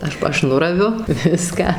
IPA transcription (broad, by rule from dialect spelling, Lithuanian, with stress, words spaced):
ˈɐʃ pɐ ˈɐʃ ˈnʊrɐʋʲʊ ˈʋʲɪskɑː